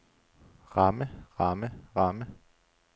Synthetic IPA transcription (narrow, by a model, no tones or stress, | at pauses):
ʁɑməʁɑməʁɑmə